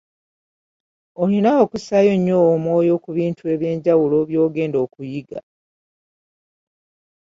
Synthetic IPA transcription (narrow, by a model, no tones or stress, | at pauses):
olinaokusajo̞ɲːo̞ːmwo̞ːjo̞kuβiːntʰue̞βje̞ːɲɟawulo̞βjo̞ːɡe̞ːndo̞ːkujiɡa̰